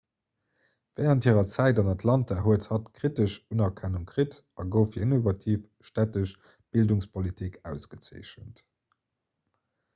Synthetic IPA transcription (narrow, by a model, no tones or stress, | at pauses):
vɛːʁənthiːʁɐt͡sæɪdɑnɑtʰlɑntɐɦuəthɑtkʁ̥itəʃunɐkʰænuŋkʁit | ɑɡəʊfiinovɑtʰiːf | ʃtætəʃ | b̥ilduŋspʰolitʰikʰæʊsɡ̥ət͡sə̰ɪʃənt